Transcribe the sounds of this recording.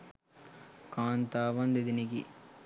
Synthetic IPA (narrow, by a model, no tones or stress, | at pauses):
kaːnt̪aːʋɐnd̪id̪iniɡḭ